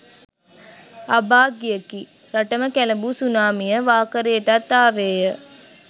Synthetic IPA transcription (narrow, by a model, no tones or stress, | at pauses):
abaːɡijəki | ɾaʈəməkæləbusunaːmijəʋaːkəɾejəʈat̪ːaːʋeːjə